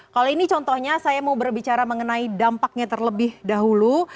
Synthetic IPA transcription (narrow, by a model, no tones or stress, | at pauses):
kaloinit͡ʃɔnt̪ɔhɲasajamawbərbit͡ʃaɾaməŋənaidampak̚ɲat̪ərləbɪhdaɦulu